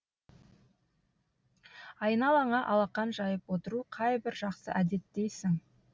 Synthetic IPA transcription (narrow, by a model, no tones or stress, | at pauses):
ɑjənɑlˠɑɴɑʔɑlˠɑqːɑnʒɑjəpwo̞t̪əɾuqʰɑjbɪɾʒɑqsə̰ʔæd̪e̞t̪ːe̞jsɪŋ